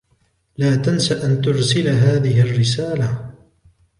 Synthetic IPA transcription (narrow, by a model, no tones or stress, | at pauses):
laːt̪ansaʔant̪ʊɾsɪlɦaːðɪɦɪarːɪsaːla